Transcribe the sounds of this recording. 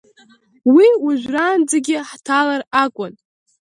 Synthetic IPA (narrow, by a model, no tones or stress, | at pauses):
wiuʒᶣʷraːnd͡zaɡʲɪħtʰalarakʷʼʊn